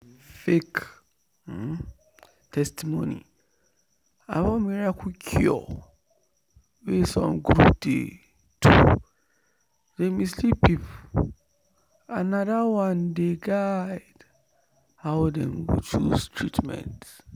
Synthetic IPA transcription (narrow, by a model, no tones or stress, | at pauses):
fek | tʰɛstimonḭ | a̰wɔmiɹakʰukʰɔ̰ | wesɔ̰̃mɡɾup̚dḛ | tu | demislipip | anadawãndeɡad | hawdɛ̃nwḭt͡ʃustʰɹitmɛ̰̃nt